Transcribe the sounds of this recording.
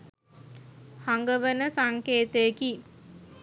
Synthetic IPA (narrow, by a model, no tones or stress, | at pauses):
haŋɡəʋənəsaŋkeːt̪əjəki